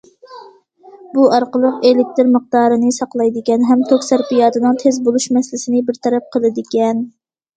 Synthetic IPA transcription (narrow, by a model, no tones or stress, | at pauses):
buɑɾqəlˠəqelɪk̚ʲt̪ɪɾmɨq̚d̪ɑːɾɨnɨsɑqlˠɑjd̪ɪkʲɛnɦɛmt̪ʰokʲsæɾpijɑːd̪ɨnɨŋt̪ʰezbolˠuʃmɛslɪsɪnɪbɪɾt̪ʰɛɾɛp̚qʰəlˠɨd̪ɪkʲɛn